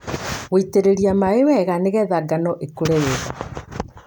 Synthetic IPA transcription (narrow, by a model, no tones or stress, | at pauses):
ɣeiteɾeɾiamaewɛɣaneɣɛðaɡanɔʔekuɾejeɣa